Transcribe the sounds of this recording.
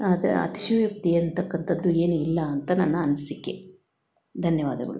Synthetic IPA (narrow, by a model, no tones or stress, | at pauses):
ɐd̪̰ɐ̰t̪i̥ʃɐʋjɐk̚t̪iɐnt̪ɐkːɐnt̪ʰɐd̪ːue̞ːnuilːɐːnt̪ɐnɐnːɐɐnːɐsikːe | d̪ʱɐnjɐʋaːd̪ɐɡɐ̰ɭu